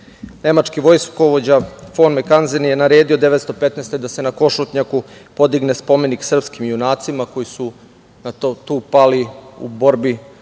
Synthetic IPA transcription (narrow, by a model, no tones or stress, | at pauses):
ne̞mat͡ʂkiʋo̞jskoʋod͡ʑafonmekanzinjenaɾeːd̪iod̪e̞ʋet̪st̪o̞pet̪nest̪e̞d̪ase̞nako̞ʃut̪ɲakupo̞d̪iɡnespo̞me̞niksr̩pskimjunaːt̪simako̞jisu | nat̪uːpaliṵbo̞ɾbi